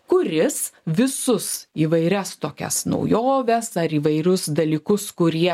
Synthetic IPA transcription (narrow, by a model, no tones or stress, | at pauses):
kʊɾʲɪsʋʲɪsʊsiːʋɐɪɾʲɛst̪oːkʲɛ̰snɐ̰ʊjoːʋʲɛsɐɾiːʋɐɪɾʲʊsd̪ɐlʲiːkʊskʊɾʲiɛ